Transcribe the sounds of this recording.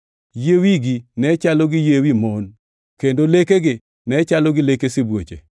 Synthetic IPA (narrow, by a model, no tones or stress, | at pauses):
jewiɡinɛt͡ʃaloɡɪjewimon | kendolekeɡɪ | nɛt͡ʃalɔɡɪlekesɪbwot͡ʃḛ